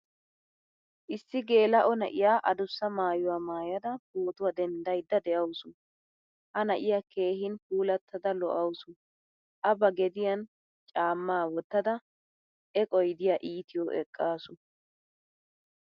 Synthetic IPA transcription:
ʔɪsːɪɡe̞ːlɐʔɔnɐ̰ʔɪjaːʔɐd̪ʊsːɐmaːjʊwaːmaːjɐd̪ɐpoːt̪ʊwad̪ɛnd̪ɐjd̪ːɐd̪ɛʔɐwsʊ | ʔɐnɐʔɪjakʰe̞ːhɪnpuːlɐt̪ʰːɐd̪ɐlɔ̰ʔɐwsʊ | ʔɐbɐɡɛd̪ɪjɐn | t͡ʃʼaːmːaːwɔt̪ːɐd̪ɐ | ɛkʼɔjd̪ɪjaːʔiːt̪ɪjɔʔɛkʼːaːsʊ

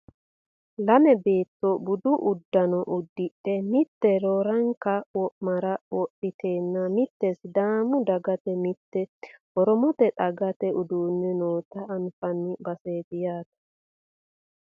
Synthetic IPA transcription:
lɐmɛbe̞ːt̪ːɔbʊd̪ʊʔʊd̪ːɐnɔʔʊd̪ːɪᶑɛmɪt̪ːɛɾoːɾɐŋkɐwɔʔmɐɾɐwɔɗɪt̪ʰeːnːɐmɪt̪ːɛsd̪aːmʊd̪ɐɡɐt̪ɛmɪt̪ːɛʔɔɾɔmɔt̪ɛᶑɐɡɐt̪ɛʊd̪uːnːɛnoːt̪ɐɐnfɐnːɪbɐse̞ːt̪ɪjaːt̪ɐ̥

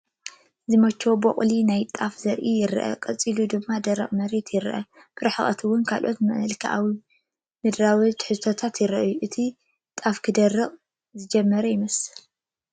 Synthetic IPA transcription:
zɨmɐt͡ʃːo̞boχʼlinajt̪ʼafzɐɾʔijɪɾʔɐ̰kʼɐt͡sʼilud̪ɨmːad̪ɐɾɐχʼmɐɾe̞t̪ʰjɪɾʔɐ̰ | b̥ɨɾaħχʼɐ̰t̪ʰuwʊnkʰalʔo̞t̪mɨʔɨlkʰa̰ʔawi | mɨd̪ɾawit̪ʰħɨt̪ʰot̪ʰat̪jɪɾɐʔjuʔɨt̪ʰi | t̪ʼafkʰɨd̪ɐɾɨχʼ | zɨd͡ʒɛmːɐɾɐjɪmɐsɨl

